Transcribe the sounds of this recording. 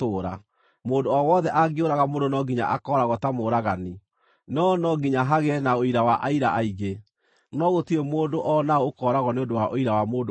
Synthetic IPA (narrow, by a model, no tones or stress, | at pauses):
toːɾa | moːndoɔwɔðɛʔaɡeoɾaɣamoːndonɔɡiɲa̰ʔakɔːɾaɣɔtamoɾaɣani | nɔnɔɡiɲaɦaɣɛnaoiɾawaʔaiɾa̰ʔaiɣe | nɔɣotiɾemoːndoʔɔnaokɔːɾaɣɔneondowaʔoiɾawamoːd